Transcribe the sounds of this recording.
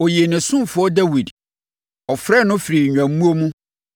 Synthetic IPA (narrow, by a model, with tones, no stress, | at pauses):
o˨je˨nɪ̃˨sʊ̃˦m˨fʊ˦ɔ˦dæ˦wi˨d | ɔ˨fɾɛ˦˨nʊ̃˦fɾi˨ɲᶣã˨m˦mũ˦o˦mũ˦